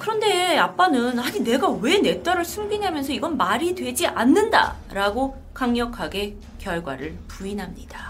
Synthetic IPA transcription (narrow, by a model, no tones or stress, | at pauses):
kɯɾʌnde̞ap͈anɯnhaɲine̞ɡawe̞ne̞t͈ʌɾɯɭsʰumbinɦamjʌnsʰʌiɡʌnmaɾidwe̞d͡ʑiʔanːɯnda̰ | ɾaɡo | kaŋɲʌkʰaɡe̞ | kjʌɭɡwa̰ɾɯɭpuinɦamɲid̥a